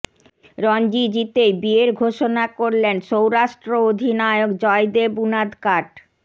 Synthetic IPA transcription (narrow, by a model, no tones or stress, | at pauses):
ɾɔnd͡ʑid͡ʑit̪ejbieɾɡʱoʃonakoɾlenʃowɾaʃʈɾood̪ʱinaeokd͡ʑɔed̪ebunad̪kaʈ